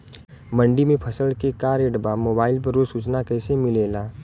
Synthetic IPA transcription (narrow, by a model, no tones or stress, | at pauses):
mə̃ɳɖimẽpʰɐsəlkekaːɾeɖbamoːbaːɪlp̬ɐɾosuːt͡ʃnakɛːsemɪleːlaː